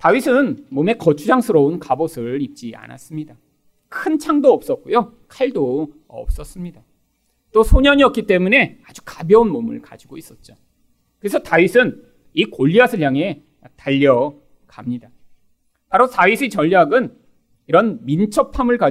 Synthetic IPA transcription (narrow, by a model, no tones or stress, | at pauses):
tawisʰɯnmome̞kʌt͡ɕʰud͡ʑaŋsʰɯɾʌunkabosʰɯɾip̚t͡ɕ͈ia̰na̰s͈ɯmɲida | kʰɯnt͡ɕʰaŋdoʌp̚s͈ʌt̚k͈ojo | kʰaɭdo | ʌ̰p̚s͈ʌs͈ɯmɲida | t͈osʰoɲʌɲiʌp̚k͈it͈e̞mune̞ad͡ʑukabjʌunmomɯ̰ɭkad͡ʑiɡois͈ʌt̚t͡ɕ͈o | kɯɾesʰʌtaɥisʰɯn | ikoʎːiasʰɯɭjaŋe̞ | taʎːʌ | kamɲida | paɾosʰaɥisʰit͡ɕʌʎːaɡɯn | iɾʌnmint͡ɕʰʌpʰamɯɭka